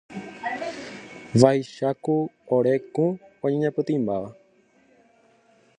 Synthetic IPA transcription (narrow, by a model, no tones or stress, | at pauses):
ʋajʃakuoɾe̞kũõɲẽɲãpɨt̪ĩmbaʋa